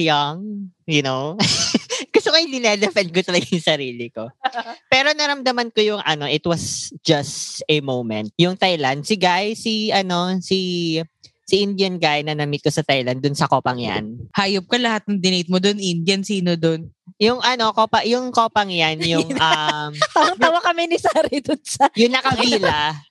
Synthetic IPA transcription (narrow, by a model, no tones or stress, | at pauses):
joŋjʊnow | ɡ̥ʊst̪okojd̪ɪnɛd̪ɛfɛnd̪̚kot̪ɐlɐɡajʊŋsɐɾiːlɪko̞pɛːɾo̞nɐɾɐmd̪ɐmɐnkojʊŋʔɐno̞ʔɪt̪wɐsd͡ʒɐstɛmowmɛ̰̃nt̪̚jʊŋt̪ajland̪̚sɪɡaʔjsiʔɐno̞si | siʔɪnd̪jɐnɡajnɐnɐmɪt̪̚kosɐt̪ajlɐnd̪ʊnsɐkoːpɐŋja̰nhaːjop̚kɐlɐhat̪̚nɐŋd̪ɪnejt̪̚mod̪onʔind̪jɐnsiːnod̪onjʊŋʔɐno̞koːpɐjʊŋkoːpɐŋjanjʊŋʔamt̪aːmɐŋaːwɐkɐmɛnɪsaːɾɛd̪ʊnsɐjʊŋnɐkɐpiːla